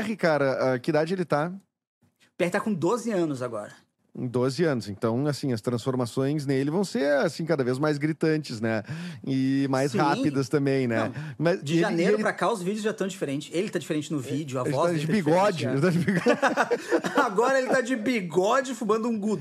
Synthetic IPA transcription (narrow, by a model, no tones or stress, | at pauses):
ɛɦɪkaɾɐɛkɪid̪ad͡ʒɪelɪt̪a | pɛhɪt̪akõd̪ozɪɐ̃nʊzaɡɔ̰ɾɐ̃ | d̪ozɪɐ̃nʊzẽnt̪ɐ̃w̃asĩɐst̪ɾɐ̃sfoɾmasõj̃znelɪvɐ̃w̃seɾasĩkad̪ɐvezmajzɡɾit̪ɐ̃nt͡ʃɪznɛɪmajshapid̪ɐst̪ɐ̃mbẽj̃nɛ̃mɐzd͡ʒɪʒɐneɾɾʊpɾakaʊzvid͡ʒjʊszʒat̪ɐ̃w̃d͡ʒifeɾẽnt͡ʃɪselɪt̪ad͡ʒifeɾẽnt͡ʃɪnʊvid͡ʒʊɐelvɪɔad͡ʒɪbiɡɔd͡ʒɪelɪt̪ad͡ʒɪbiɡɔ | aɡɔɾɐelɪt̪ad͡ʒɪbiɡɔd͡ʒɪfũmɐ̃nd̪ʊũɡud̪ʊ